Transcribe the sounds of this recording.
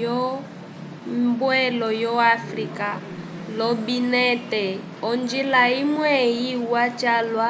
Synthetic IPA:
jɔ | mbwɛlɔjɔafrika | lɔbinɛtɛ | ɔnd͡ʒilaimwɛjiwat͡ʃalwa

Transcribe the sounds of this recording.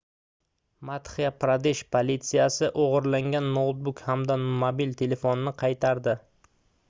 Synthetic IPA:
mat̪χijapɾad̪eʃpʰolʲit̪sɪjasɪʔoʁɨɾlaŋɡʲanːot̪̚bʊkhamd̪anomabilt̪ʰe̞le̞fonnɪqʰɑjt̪ʰaɾd̪ɪ

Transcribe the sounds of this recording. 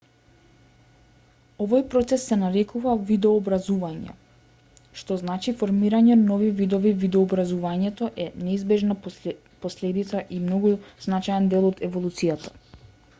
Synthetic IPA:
ɔvɔjpɾɔt̪sɛsːɛnaɾɛkuvavid̪ɛɔːbɾazuvaɲɛ̰ | ʃt̪ɔznat͡ʃifoɾmiɾaɲɛnɔvivid̪oɔvivid̪ɔːbɾazuvaɲɛt̪ɔʔɛnɛizbɛʒna | poslɛd̪it̪saʔimnɔɡuz̥nat͡ʃajɛnd̪ɛlˠɔd̪ɛvolˠut̪sijat̪ḁ

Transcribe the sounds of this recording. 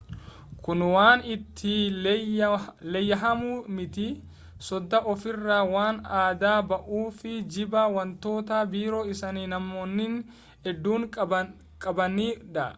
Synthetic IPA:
kʊnwaːnɪt̪ʰːɪ | lɛjːɐɦɐmuːmɪt̪ɪ | sɔd̪ːɐʔɔfɪrːaːwaːnaːd̪aːbɐʔuːfɪd͡ʒɪbɐwɐnt̪o̞ːt̪ɐbiːɾo̞ːɪsɐniːnɐmːoːnːɪn | ɛd̪ːuːŋkʼɐ | kʼɐbɐniːᶑɐ

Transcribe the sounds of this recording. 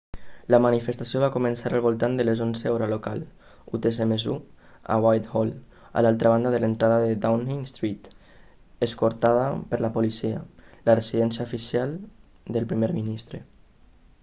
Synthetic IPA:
lamanifest̪asijoβ̞akumensaɾalβolˠt̪and̪əlezonzeoɾalokal | ut̪esemezu | a̰wajt̪hol | a̰lalˠt̪ɾaβand̪aðələnt̪ɾaðəðed̪awniŋst̪ɾit̪ | eskoɾt̪aðəpəɾlapolisia̰laresiðɛnsjaofisialˠ | d̪əlpɾimeɾminist̪ɾe

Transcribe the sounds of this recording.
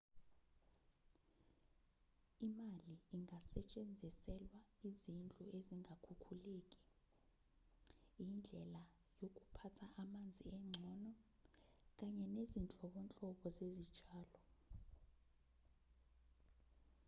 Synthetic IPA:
imaliːŋasɛt͡ʃʼend͡zʱisɛlwaizint͡ɬʼuʔeziŋakʰukʰuleːkʼi̥ | jind͡ɮʱɛla | jokʼupʰatʰaʔamand͡zʱiɛŋ͡ǀʱɔːnɔ | k̬ʼaɲɛnezint͡ɬʼɔɓɔnt͡ɬʼɔɓɔzezid̥ʒ̥ʱaːlɔ

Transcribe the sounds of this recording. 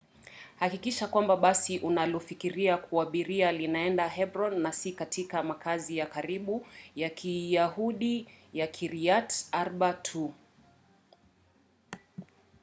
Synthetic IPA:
hakikiʃakwambaɓasiʔunalɔfikiɾiakuaɓiɾialinaɛndaɦɛbɾɔnːasikatikamakʰazijakaɾiɓujakʰijahuɗijakʰiɾiataɾɓatʰu

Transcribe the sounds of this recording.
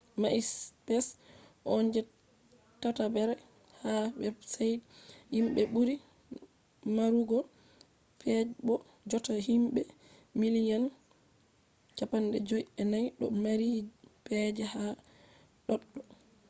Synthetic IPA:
maʔispɛsʔɔnd͡ʒɛ | tatabɛɾɛ | habɛsajhimɓɛɓuɾi | maɾuɡɔ | pɛbɔ | d͡ʒɔtaɦimbɛ | milijan | t͡ʃapandɛd͡ʒojɛnajɗɔ̰maɾipɛd͡ʒɛha | ɗɔɗːɔ

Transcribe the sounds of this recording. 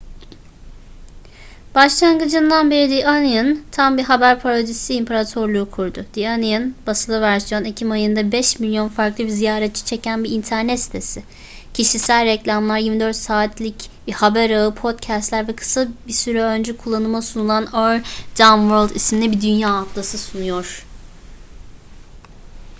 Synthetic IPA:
b̥aʃlˠaŋɡɯd͡ʒɯnd̪anbeɾid̪iʔaniɯnt̪ʰambiɦabæɾpʰaɾod̪isiːmpʰeɾat̪ʰo̞ɾlˠuːkʰuɾd̪ʊd̪̥ianiɯnbasɯlˠɯvæɾsjo̞ne̞cʰimajɯnd̪abɛʃmilʲjo̞nfaɾklˠɯbizijaːɾɛt̪̚t͡ʃʰi̥t͡ʃʰe̞cʰænbiːnt̪ʰæɾnɛt̪si̥t̪ʰe̞sɪ | cʰiʃisælʲɾɛclʲamlˠaɾjiɾmid̪ø̞ɾt̪saːt̪ʰlʲicbɛhabɛɾaɯpʰo̞t̪cʰæst̪lʲæɾvɛkʰɯ̥sabisyɾɛø̞nd͡ʒɛkʰulˠːanɯmasunulˠanøld̪amvølʲˠd̪isminʲɛbid̪ynjaːk̪lˠasɯsunujo̞ɾ̥

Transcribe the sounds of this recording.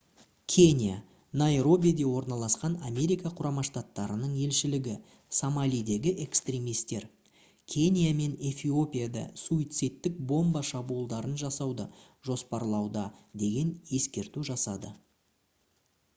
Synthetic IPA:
kʲʰe̞nʲija̰ | najɾo̞bʲijad̪e̞wo̞ɾnɑlˠɑsqɑnamʲe̞ɾijkɑqʰʊɾɑmɑʃt̪at̪ːɑɾənəɴe̞lʃɪlɪɡʲɪ | samalʲijd̪e̞ɡʲɪʔe̞kst̪ɾʲe̞mijst̪e̞ɾ | kʲʰe̞nʲijame̞ne̞fʲio̞pʲijad̪ɑ̰suit̪sɨjt̪ːɪk̚bo̞mbɑʃɑbulˠd̪ɑɾənʒɑsɑwd̪ə | ʒ̥o̞spɑɾlˠɑwd̪ɑd̪e̞ɡʲe̞nje̞skʲe̞ɾt̪uʒɑsɑd̪ə

